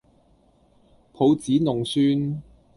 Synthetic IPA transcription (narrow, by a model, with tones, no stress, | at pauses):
pʰo˨˧wt͡siː˨˥nʊ˨˩ŋsyː˥n